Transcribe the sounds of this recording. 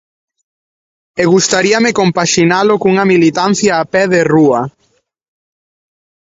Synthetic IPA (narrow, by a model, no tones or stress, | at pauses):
eɣust̪aɾiɐmɪkompaʃinalʊkuŋɐmilit̪an̟θjaːpɛðeruɐ